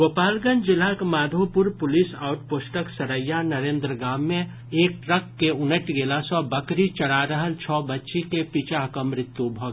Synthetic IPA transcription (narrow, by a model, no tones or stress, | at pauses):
ɡopaːlɡənd͡ʒɪlakmaːd̪ʱopʊɾpʊlisaːʊʈposʈəksɐɾəjːanɐɾẽːnd̪ɾəɡãːmːẽ | eːk̚ʈɾəkːeʊnəʈɡeːlasɔbɐkɾit͡ʃɐɽaɾəɦəlt͡ʃʰɔːbɐtːʃikepit͡ʃakəmɾɪt̪ːubʱɔː